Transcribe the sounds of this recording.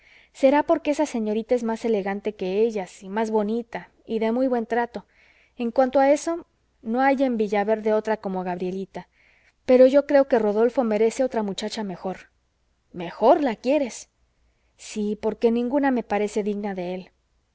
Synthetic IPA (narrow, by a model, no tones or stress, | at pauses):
se̞ɾapo̞ɾke̞esase̞ɲo̞ɾit̪ae̞zmase̞le̞ɣant̪e̞ke̞eʝasimazβo̞nit̪a | iðe̞mujβwe̞nt̪ɾat̪o̞ | e̞ŋkwant̪oae̞so̞ | no̞aʝe̞mbiʝaβe̞ɾðe̞o̞t̪ɾako̞mo̞ɣaβɾje̞lit̪a | pe̞ɾo̞ʝo̞kɾe̞o̞ke̞ro̞ðo̞lfo̞me̞ɾe̞se̞o̞t̪ɾamut͡ʃat͡ʃame̞xo̞ɾ | me̞xo̞ɾlakje̞ɾe̞s | sipo̞ɾke̞nĩŋɡuname̞paɾe̞se̞ðiɣnaðe̞e̞l